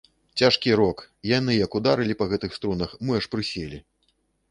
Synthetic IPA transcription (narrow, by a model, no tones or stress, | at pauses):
t͡sʲaʂkʲiɾɔkjanɨjɐkud̪aɾɨlʲipɐɣɛt̪ɨxst̪ɾunɐxmɨaʂpɾɨsʲelʲḭ